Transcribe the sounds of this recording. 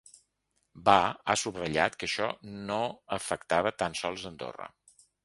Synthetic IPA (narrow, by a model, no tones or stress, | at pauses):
baa̰suβrəʎa̰t̪kəʃɔnoəfəkt̪aβət̪ansɔlˠzənd̪o̰rə̰